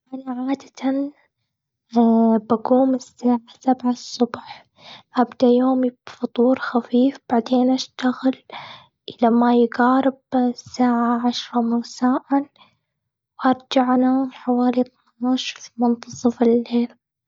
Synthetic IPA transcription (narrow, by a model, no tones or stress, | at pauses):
ʔanaʕaːd̪ḁt̪ʰan | baɡuːmɪsːaːʕasabʕasˤːʊbħ | ʔabd̪ajoːmibfʊt̪ˤuːɾxafiːfb̥aʕd̪eːnʔaʃt̪aɣɪl | ʔɪlamajɡɑːɾɪbsːaːʕaʕaʃɾˤɑmasaːʕan | wʔɑɾˤd͡ʒaʕnaħawaːlit̪manaʃɾmʊnt̪ɑsˤɨfɪlːeːl